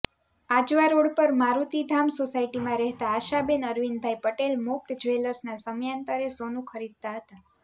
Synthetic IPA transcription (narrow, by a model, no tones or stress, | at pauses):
ad͡ʒʋaɾoɽpəɾmaɾut̪id̪ʱamsosaiʈimãɾɛɦt̪aːʃabenəɾʋinbʱajpəʈelmʊk̚t̪d͡ʒʋeləɾsnasəmjant̪əɾesonũkʰəɾid̪̚t̪aɦət̪a